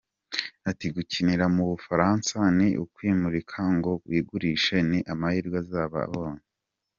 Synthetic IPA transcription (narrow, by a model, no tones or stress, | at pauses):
atiɡuciniɾamuβufaɾaːnsaniʔukwiːmuɾikʰaŋɡo̞βwiːɡuɾiːʃe̞niʔamahiːɾɡwazaːβa̰a̰βoːne